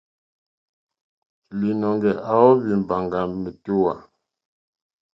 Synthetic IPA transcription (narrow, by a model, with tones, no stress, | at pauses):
li˨nɔ˨ŋɡɛ˨ʔa˨wɔ˦bi˨m˨ba˨ŋɡa˨me˨tu˦wa˨